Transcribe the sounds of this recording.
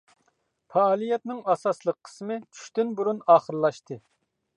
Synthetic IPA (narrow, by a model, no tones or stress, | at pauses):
fɑːlˠijɛt̪nɪŋɑsɑslˠəqʰːə̥smɨt͡ʃʰy̥ʃt̪ynbuɾunɑːχəɾlˠɑʃt̪ʰɨ